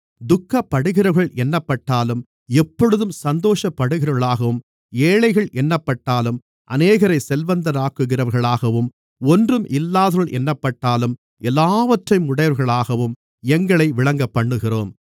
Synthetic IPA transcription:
d̪ʊkːɐpːɐɽɯɣɪɾɐɾɣɐɭɛnːɐpːɐʈːaːlɯm | ɛpːɔɻɯðɯmsɐnd̪oːʂɐpːɐɽɯɣɪɾɐɣɐɭaːɣɐʋɯm | eːɭɐɪɣɐɭʔɛnːɐpːɐʈːaːlɯm | ʔɐ̰neːɣɐɾɐɪsɛlʋɐnd̪ɐɾaːkːɯɣɪɾɐʋɐɾɣɐɭaːɣɐʋɯm | ɔndrɯmʔɪlːaːðɐɐɭʔɛnːɐpːɐʈːaːlɯm | ʔɛlːaːʋɐʈrɐɪmʊɽɐjɐɾɣɐɭaːɣɐʋɯm | ɛŋɡɐɭɐɪʋɪɭɐŋɡɐpːɐɳːɯɣɪroːm

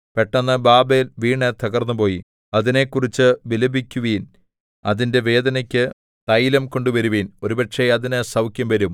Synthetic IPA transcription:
peʈːɐnːɨbaːbejlʋiːɳet̪ɐɣɐrnːupo̞ːji | ɐðine̞kːurit͡ɕːɨʋilɐbikʲːuʋiːn | ɐðinde̞ʋe̞ːd̪ɐnɐkʲːɨ | t̪ɐjlɐmko̞ɳɖuʋɐɾuʋiːno̞ɾubɐʈʂeɐðinɨsɐwkjɐmʋɐɾum

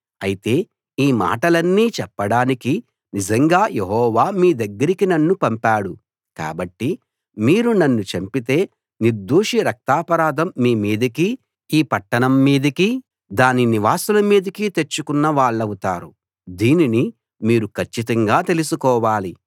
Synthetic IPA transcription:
ɐjit̪e̞ː | iːma̰ːʈɐlɐnːiːt͡ʃɛpːɐɽaːniki | nizɐŋɡaːjeɦɔːʋaːmiːd̪ɐɡːɐɾikinɐnːupɐmpaːɽu | ka̰ːbɐʈːi | miːɾunɐnːut͡ʃɐmpit̪e̞ː | niɾd̪uːʂiɾɐk̚t̪aːpɐɾaːd̪ʱɐmːiːmiːd̪ɐki | iːpɐʈːɐnɐmːiːd̪ɐki | d̪aːniniʋaːsulɐmiːd̪ɐkit̪e̞t͡ʃːukunːɐʋaːɭːɐwut̪aːɾu | d̪iːnini | miːɾukʰɐɾt͡ʃːit̪ɐŋɡaːt̪e̞lusukɔːʋaːli

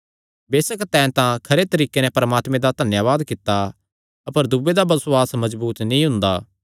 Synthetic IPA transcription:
beːsəkt̪ɛ̃ːnt̪ãkʰɐɾet̪ɐɾiːkenɛ̃pɐɾmaːt̪mẽd̪ad̪ʱɐnjaːʋaːd̪kɪt̪ːa | ɐpəɾd̪ubed̪abɐsoaːsmɐzbuːt̪nĩɦʊ̃nd̪aː

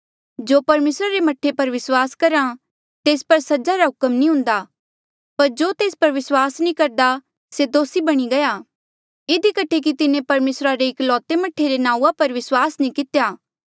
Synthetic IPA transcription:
d͡ʒoːpɐɾmeːsɾaɾemɐʈʰːepɐɾʋɪswaːskɐɾa | t̪eːspɐɾsɐd͡ʒaɾaɦʊkəmnĩɦʊ̃nd̪a | pɐɾd͡ʒoːt̪eːspɐɾʋɪswaːsnĩkɐɾd̪a | sed̪oːsibɐɽ̃iɡɐja | ɪd̪ikɐʈʰek̬it̪ɪnẽpɐɾmeːsɾaɾeɪklɔːt̪emɐʈʰːeɾenãːuapɐɾʋɪswaːsnĩkɪt̪ejaː

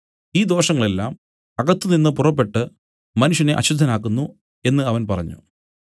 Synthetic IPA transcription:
iːd̪o̞ːʂɐŋːɐɭe̞lːaːm | ɐɣɐt̪ːɨninːɨpurɐpːe̞ʈːɨ | mɐnuʂjɐneʔɐ̰ɕud̪ʱːɐnaːkːunːu | e̞nːɨɐʋɐnpɐrɐ̰ɲːṵ

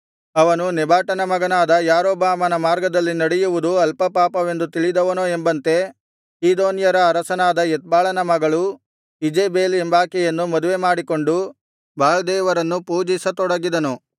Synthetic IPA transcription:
ɐʋɐnunɛbʱaːʈɐnɐmɐɡɐnaːd̪ɐjaːɾoːbaːmɐnɐmaːɾɡɐd̪ɐlːinɐɽɛjuʋud̪uɐlpɐpaːpɐʋe̞nd̪ut̪iɭid̪ɐʋɐnoːembɐnt̪e̞ | siːd̪oːnjɐɾɐːɾɐsɐnaːd̪ɐjɛt̪̚baːɭɐnɐmɐɡɐɭu | id͡ʒeːbeːlembaːkɛjɐnːumɐd̪uʋe̞maːɽiko̞ɳɖu | bʱaːlɐd̪ɛːʋɐɾɐnːupuːd͡ʒisɐt̪ɔɽɐɡid̪ɐnu

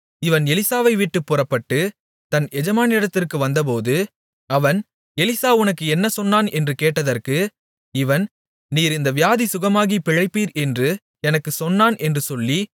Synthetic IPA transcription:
ɪʋɐnɛlɪsaːʋɐɪʋɪʈːɯpːʊrɐpːɐʈːɯ | t̪ɐnɛd͡ʒɐmaːnɪɽɐt̪ːɪrkɯʋɐnd̪ɐp̬oːðɯ | ɐʋɐn | ɛlɪsaːʊnɐkːɯɛnːɐsɔnːaːnɛndrɯkeːʈːɐðɐrkɯ | ɪʋɐn | niːɾɪnd̪ɐʋɪjaːðisʊɣɐmaːɣipɪɻɐɪpːiːɾɛndrɯ | ɛnɐkːɯsɔnːaːnʔɛndrɯsɔlːi

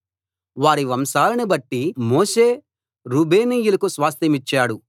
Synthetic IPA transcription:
ʋaːɾiʋɐmsaːlɐnibɐʈːimoːʃe̞ː | ɾuːbʱe̞ːniːjulɐkusʋaːst̪ɐmit͡ʃːaːɽu

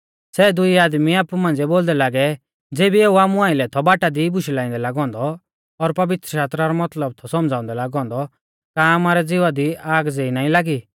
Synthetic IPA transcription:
sɛd̪ʊiaːd̪miaːpumãːnd͡zɛboːld̪ɛlaːɡɛ | d͡zeːbieːuaːmũãːɪ̃lɛt̪ʰɔbaːʈad̪ibʊʃilaːĩnd̪ɛlaːɡɔ̃ːnd̪ɔː | ɾpɐʋɪt̪ɾəʃaːst̪ɾaɾɔmɐt̪ləb̚t̪ʰɔsɔmd͡zaːʊ̃nd̪ɛlaːɡɔ̃ːnd̪ɔ | kamaɾɛd͡zɪʋad̪iaːɡd͡zeːinaːĩlaːɡi

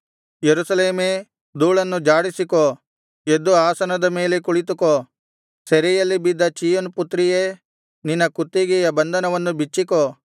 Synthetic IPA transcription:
jeɾusɐleːmeː | d̪uːɭɐnːud͡ʒaːɽisiko | ed̪uaːsɐnɐd̪ɐme̞ːlekuɭit̪̬uko | seɾɛjɐlːibid̪ːɐt͡ʃijonput̪ːɾije | ninːɐkut̪ːiɡɛjɐbɐnd̪ʱɐnɐʋɐnːubit͡ʃːiko

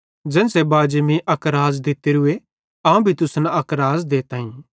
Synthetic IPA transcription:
d͡ʒɛ̃ːnsebaːd͡ʒmiʔɐkɾaːzd̪ɪt̪eɾʊe | ãːũbʱit̪ʊsnaɐkɾaːzd̪eːt̪ãːɦĩ

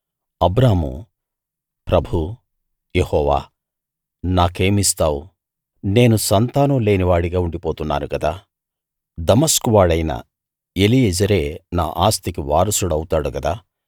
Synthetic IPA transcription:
ɐbɾaːmṵ | pɾɐbʱu | jehɔːʋa̰ː | naːkeːmist̪aːwu | ne̞ːnusɐnt̪aːnule̞ːniʋaːɽiɡaːuɳɖipo̞ːt̪unːa̰ːɾukɐd̪aː | d̪ɐmɐskuʋaːɭɐjnɐ̰ | elijɛd͡ʒɐɾeːna̰ːʔaːst̪ikiʋaːɾɐsuɽɐwut̪aːɽukɐd̪aː

